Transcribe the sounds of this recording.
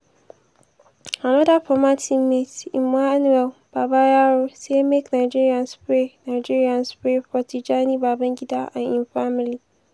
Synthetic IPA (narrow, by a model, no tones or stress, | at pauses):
anɔdapɔmatʰɪmetɪmːaanuɛlb̥aːbajaɾosemeknaɪd͡ʒiɾiãnspɾenaɪd͡ʒiɹiãnspɾepɔtʰid͡ʒanibabãŋɡʲɪdaʔã̰nɪ̃nfamili